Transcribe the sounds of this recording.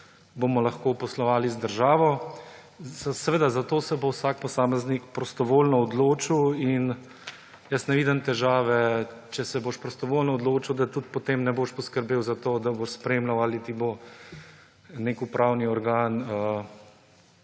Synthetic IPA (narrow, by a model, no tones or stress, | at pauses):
bomɔlɐxkoːpɔslɔʋaːlizd̪əɾʒaːʋɔ | sɛʋeːd̪azat̪oːsɛbowsaːk̚pɔsaːmɛznikpɾɔst̪ɔʋoːlnɔɔd̪loːt͡ʃiwin | jəsnɛʋiːd̪ɛmt̪ɛʒaːʋɛt͡ʃɛsɛboːʃpɾɔst̪ɔʋoːlnɔːd̪loːt͡ʃiwd̪at̪ut̪pɔt̪eːmnɛboʃpɔskəɾbeːwzat̪oːd̪aboʃspɾemlawaːlit̪ibo | nekupɾʔaːwniɔɾɡanə